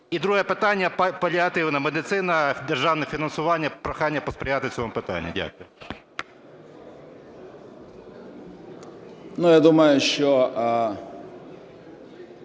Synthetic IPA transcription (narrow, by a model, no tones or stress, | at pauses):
id̪ɾuɦəjɛpɪt̪anʲjɐpɐlʲɪɐt̪ɪwnɐmɛd̪ɪt̪sɪnɐd̪ɛrʒawnɛfʲinɐnsʊʋanʲːjɐpɾɐxanʲːjɐpɔspɾʲɪjat̪ɪsʲɔʋɔmpɪt̪a̰nʲːɐ̰dʲa̰kʊj | nujad̪umɐjʊʃt͡ʃɔ